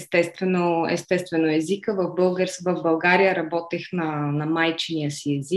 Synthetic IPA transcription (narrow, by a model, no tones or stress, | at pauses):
ɛst̪ɛst̪vɛnoɛ̰st̪ɛst̪vɛnoɛzikəvɐvbɤlˠɡəɾsvɐvbɐlˠɡaɾijəɾɐbɔt̪ixnɐnɐmajt͡ʃɛnijəsiɛzik